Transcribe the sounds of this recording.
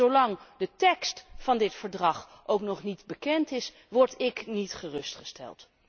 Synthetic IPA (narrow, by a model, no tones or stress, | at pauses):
owlɑŋdətɛkstfɑndɪtfəɹdrɑχʔowknɔχnitbəkɛntɪs | ʋɔɹtɪknitχərɵstχəstɛ̰lˠt